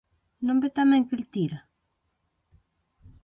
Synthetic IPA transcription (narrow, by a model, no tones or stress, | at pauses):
nõmbet̪amɛŋkiɾt̪iɾa